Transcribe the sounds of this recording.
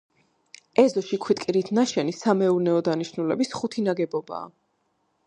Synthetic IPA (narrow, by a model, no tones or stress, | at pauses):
ɛzɔʃikʰwit̪ʼkʼiɾit̪ʰnaʃɛnisamɛuɾnɛɔd̪aniʃnulɛ̰bisχut̪ʰinaɡɛbɔba̰ː